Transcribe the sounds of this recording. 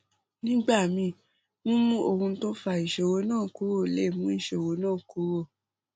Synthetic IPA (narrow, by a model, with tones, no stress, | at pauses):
nĩ˦ɡ͡ba˦˨mĩ˧˦˨ | nũ˦mũ˦o˧˨hũ˧˦to˦fa˧i˨ʃe˨wo˨˦nãː˦˨ku˨˦wo˦˨le˦˨mũ˦i˦˨ʃe˨wo˨˦nãː˦˨ku˨˦wo˦˨